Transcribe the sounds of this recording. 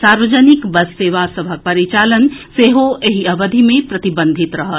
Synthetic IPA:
saɾʋəd͡ʒənikbəsːeʋasəbʱək̚pəɾit͡ʃalənseɦoeɦiəbəd̪ʱimepɾət̪ibə̃nd̪ʱit̪ɾəɦə

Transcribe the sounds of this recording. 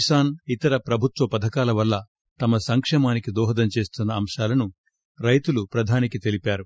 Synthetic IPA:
isaːnit̪ɐɾɐpɾɐbʱut̪ʋɐpɐd̪ʱɐkaːlɐʋɐlːɐ | t̪ɐmɐsɐŋkʂɛːmaːnikid̪ɔːɦɐd̪ɐmt͡ʃe̞ːst̪unːɐːmʂaːlɐnu | ɾɐjt̪ulupɾɐd̪ʱaːnikit̪e̞lipaːɾu

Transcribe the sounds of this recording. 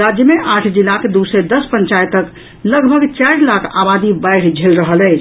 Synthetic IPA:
ɾad͡ʒjəmeʔaʈʰd͡ʒilaked̪used̪əspəɲt͡ʃajt̪ək | ləɡbʱəɡt͡ʃajɾlakʰa̰bad̪ibaɪʈʰd͡ʒʱelɾəɦəlɛt͡ʃʰ

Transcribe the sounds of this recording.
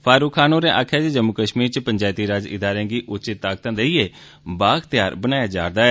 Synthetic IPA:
pʰaːɾuːkʰːaːnoːɾẽːʔaːkʰaːt͡ʃed͡ʒəmːʊkəʃmiːɾt͡ʃəpəɲd͡ʒaːt̪iːɾaːd͡ʒɪ̰d̪aːɾẽãːɡiːʔʊt͡ʃɪt̪ːaːk̚t̪ãːd̪eiːeː | baːɡt̪ɪjaːɾbənaːjaːd͡ʒa̰ːɾd̪aːɛː

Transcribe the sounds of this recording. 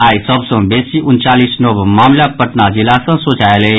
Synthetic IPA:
aːisəbsə̃beːsiʔʊnt͡ʃaːlisnobmaːmlapəʈnad͡ʒɪlasə̃soːt͡ʃaːele

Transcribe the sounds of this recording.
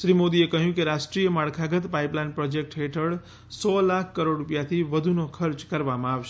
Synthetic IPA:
ʃɾimod̪iekəɦjũkeɾasʈɾijəmaɽkʰaɡət̪paiplajnpɾod͡ʒek̚ʈɦeʈʰəɭ | sɔlakʰːəɾoɽɾupjat̪ʰiʋəd̪ʱunokʰəɾt͡ʃkəɾʋamãaʋʃ

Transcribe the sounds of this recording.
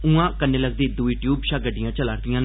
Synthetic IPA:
ũãːkənːeːləɡd̪iːd̪uiːʈjuːbʃaːɡəɖɪjãːt͡ʃəlaːɾd̪ɪjãː

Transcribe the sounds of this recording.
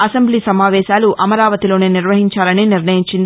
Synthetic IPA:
ɐsɐmbliːsɐmaːʋɛːʃaːluʔɐmɐɾaːʋɐt̪ilo̞ːneːniɾʋɐɦiɲt͡ʃaːlɐniːniɾnɐjiɲt͡ʃind̪i

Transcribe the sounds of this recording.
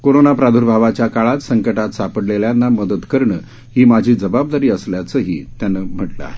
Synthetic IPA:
koɾonapɾad̪ʱuɾbʱaʋat͡ɕjakaɭat̪səŋkəʈat̪sapəɽleljanːaməd̪ət̪kəɾɳəː | ɦiːmad͡ʑʱiːd͡zəbab̚d̪aɾiːəsljat͡səːɦiːt̪janːəːm̤əʈləa̰ɦe

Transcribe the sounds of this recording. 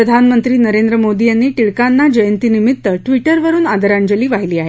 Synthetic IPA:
ɾəd̪ʱanmənt̪ɾiːnəɾend̪ɾəmod̪iːjanːiːʈiɭkanːad͡ʑəjənt̪iːnimit̪ːəʈʋiʈəɾʋəɾuːnad̪əɾaɳd͡ʑəliːʋaɦiliːaɦe

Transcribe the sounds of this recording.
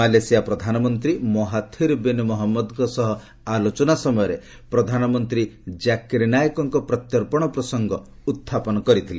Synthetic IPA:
alesijapɾɔd̪ʱanɔmɔnt̪ɾimɔɦat̪ʰiɾbenumɔɦɔmːɔd̪ɡɔsɔɦɔ | alot͡ʃɔnasɔmɔjɔɾe | pɾɔd̪ʱanɔmɔnt̪ɾid͡ʒakiɾnajɔkɔŋkɔpɾɔt̪jɔɾpɔɽ̃ɔpɾɔsɔŋɡɔ | ut̪ʰːapɔnɔkɔɾit̪ʰile

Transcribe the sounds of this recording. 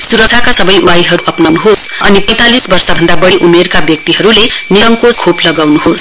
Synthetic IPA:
suɾʌk̚sʰakasʌbʌjʔuwajɦʌɾuʔʌpnawnuɦosʌnipʌj̃t̪alisbʌrsabʱʌnd̪abʌɽiʔumerkabjʌk̚t̪iɦʌɾuleniɾʌŋkod͡zkʰoplʌɡawnuɦos

